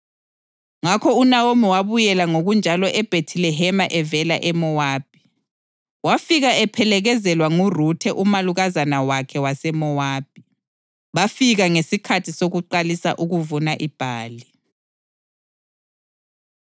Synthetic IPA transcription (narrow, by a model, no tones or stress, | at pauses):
ŋakʰɔunawomiwaβujɛlaŋoɣund͡ʒʱalɔʔɛb̥ʱetʰilɛɦɛmaʔɛvɛlaʔɛmɔwaːb̥̚ʱi | wafiɣaɛpʰɛlɛɣɛzɛlwaŋurutʰɛʔumaluɣazanawakʰɛwasɛmɔwaːb̥̚ʱʼi | βafiɣaŋesikʰatʰisoɣuǃalisa̰ʔuɣuvunaʔib̥ʱaːli